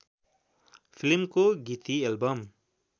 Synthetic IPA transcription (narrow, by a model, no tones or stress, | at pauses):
pʰilmkoɡit̪ielbʌm